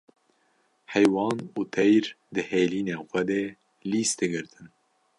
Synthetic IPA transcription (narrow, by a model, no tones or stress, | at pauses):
hɛjwɑːnuːt̪ʰɛjɾ | d̪ɨheːliːneːxʷɛd̪eː | liːsd̪ɨɡɨɾt̪ʰɨn